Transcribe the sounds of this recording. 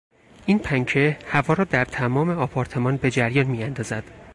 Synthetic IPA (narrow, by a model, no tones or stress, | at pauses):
ʔiːnpʰæŋcʰehævɒːɾɒːd̪æɾt̪ʰæmɒːme̞ɒpʰɒːɾt̪ʰe̞mɒːnbe̞d͡ʒæɾjɒːnmiːænd̪ɒːzæd̪̥